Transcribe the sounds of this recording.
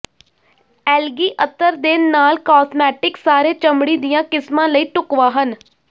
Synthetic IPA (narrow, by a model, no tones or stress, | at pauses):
ɛːlɡiːʔət̪ːəɾd̪eːnnaːlkɔːsmɛːʈɪksaːɾeːt͡ʃəmɽiːd̪ɪjãːkɪsmãːləiːʈʊkʋãːɦən